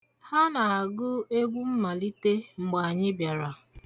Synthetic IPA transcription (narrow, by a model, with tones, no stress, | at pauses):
ha˦na˨a˨ɡʊ˦e˦ɡʷu˦m̩˦ma˨li˦te˦ŋ͡m̩˨ɡ͡ba˨a˨ɲɪ˦bja˨ɾa˨